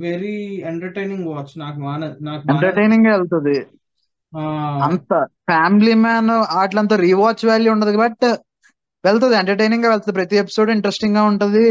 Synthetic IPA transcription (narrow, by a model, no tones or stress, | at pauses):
ʋeɾieɳʈɐɾʈɐjniŋɡʋaːt͡ʃːnaːkumaːnɐnaːkeɳʈɐɾʈɐjniŋɡaːʋeɭt̪und̪i | aːɐnt̪ɐpʰaːmilimaːnaːʈlɐnt̪ɐːɾiːʋaːt͡ʃːʋaːɭːiuɳɖɐd̪ikɐbɐʈːɐ | ʋeɭt̪̬ɐd̪ieɳʈɐɾʈɐjniŋɡaːʋelt̪ɐnd̪ipɾɐt̪iep̬i̥soːɖiɳʈɾesʈiŋɡaːuɳʈund̪i